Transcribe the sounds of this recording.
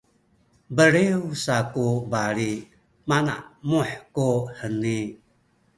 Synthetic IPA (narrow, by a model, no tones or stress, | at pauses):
bəɾewsakubaɾi | mana̰ʔmuħkuħəni